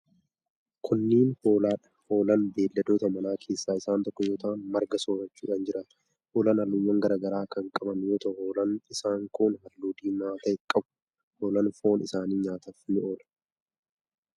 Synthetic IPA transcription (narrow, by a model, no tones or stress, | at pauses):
kʰʊnːiːnho̞ːlaːᶑɐ̥ho̞ːlɐnbe̞ːlːɐd̪oːt̪ɐmɐnaːkʰe̞ːsːaːɪsaːnt̪ɔkːɔjo̞ːt̪ʰɐʔɐnmɐɾɡɐso̞ːɾɐt͡ʃːuːᶑɐnd͡ʒɪɾɐn | hoːlɐnɐlːʊjːɐŋɡɐɾaːɡɐɾaːkɐŋkʼɐbɐnjoːt̪ɐhoːlɐnɪsaːŋkunɦɐlːuːd̪iːmaːt̪ɐɪkʼːɐbʊ̥ | hoːlɐnfo̞ːnɪsaːniːɲaːt̪ɐfnːɪʔo̞ːlɐ̥